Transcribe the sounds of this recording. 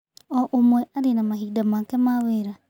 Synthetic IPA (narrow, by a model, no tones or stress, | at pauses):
ɔʔomwɛaɾenamahidamaːkɛmaweɾa